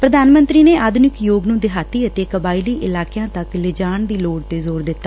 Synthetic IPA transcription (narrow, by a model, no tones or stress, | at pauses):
pɾəd̪aːnmə̃nt̪ɾiːneːʔaːd̪ʱʊnɪkjoːɡnũːd̪ɪɦaːt̪iːət̪eːkəbaːɪliːʔɪlaːkjãːt̪əklɪd͡ʒaːɳd̪iːloːɖt̪eːzoːɾd̪ɪt̪ːaː